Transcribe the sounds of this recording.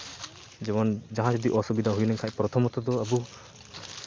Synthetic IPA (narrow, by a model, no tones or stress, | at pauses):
d͡ʒɛbɔnd͡ʒaɦãd͡ʒɔd̪iʔɔsɔbid̪aɦujlɛŋkʰac̚pɾɔt̪ʰɔmɔt̪ɔd̪ɔɐbu